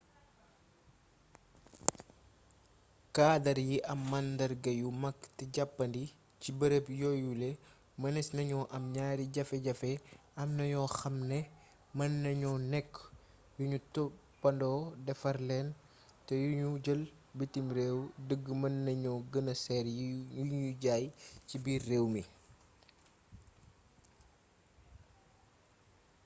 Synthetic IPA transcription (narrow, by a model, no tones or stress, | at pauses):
kaːdɐɾjiʔɐmːɐndɐɾɡɐjumɐkːtiɟɐpːɐndi | cibɐɾəpjɔjulɛ | mɐnɛsnɐɲɔʔɐmɲaːɾiɟɐfɛɟɐfɛ | ɐmnɐɲɔxɐmnɛ | mɐnːɐɲɔnɛkː | juɲutɔ | pːɐndɔːdɛfɐrlɛn | tɛjuɲuɟəl | bitimɾɛːwdəɡːmɐnːɐɲɔɡənɐsɛɾuɲuɟaːjcibiːrːeːwmi